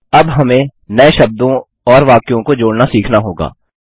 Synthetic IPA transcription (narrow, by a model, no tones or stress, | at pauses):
ɐbɦɐmẽnɐeʃɐb̚d̪õ | ɔːɾʋaːkjõkod͡ʒoːɽnasiːkʰnaɦoːɡa̰ː